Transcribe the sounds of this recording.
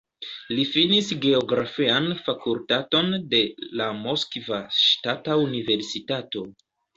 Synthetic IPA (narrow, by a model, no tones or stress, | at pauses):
lifinisɡe̞oɡɾafianfakultato̞nde̞lamo̞skvaʃtataunive̞ɾsitato̞